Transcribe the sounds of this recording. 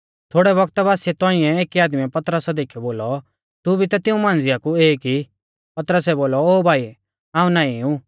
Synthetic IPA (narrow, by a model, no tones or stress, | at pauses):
t̪ʰoːɽɛβɐɡ̚t̪baːsiɛt̪ɔ̃ːĩɛ̃eːkiaːd̪miɛpɐt̪ɾəsad̪eːkʰːɛboːlɔ | t̪ubʱit̪at̪ɪ̃ũmãːnd͡zɪjakueːki | pɐt̪ɾəsɛboːlɔoːbʱaːi | ãːũnãːĩũ